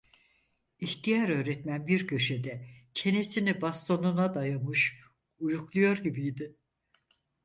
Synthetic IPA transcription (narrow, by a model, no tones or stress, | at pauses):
içt̪ʰijaɾø̞ːɾɛt̪mænbiɾɟø̞ʃed̪ɛt͡ʃʰe̞nesinibast̪ʰo̞nunad̪ajamɯʃ | ujuklˠujo̞ɾɟibijd̪ɪ